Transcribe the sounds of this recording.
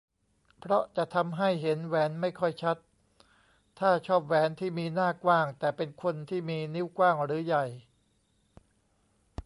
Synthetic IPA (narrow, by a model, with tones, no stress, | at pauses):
pʰɾɔ˦˥ʔt͡ɕa˨ʔt̪ʰa˧mɦa˥˩jɦe˩˦nwɛː˩˦nma˥˩jkʰɔ˥˩jt͡ɕʰa˦˥t̪ʰ | aː˥˩t͡ɕʰɔː˥˩p̚wɛː˩˦˥nt̪ʰiː˥˩miː˧naː˥˩kwaː˥˩ŋt̪ɛː˨˩pe˧nkʰo˧nt̪ʰiː˥˩miː˧ni˦˥˩wkwaː˥˩ŋɾɯː˩˦ja˨˩j